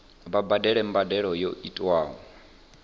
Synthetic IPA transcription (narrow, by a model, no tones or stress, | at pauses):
βabadɛɺɛm̩badɛɺɔjoitʼwaːɦɔ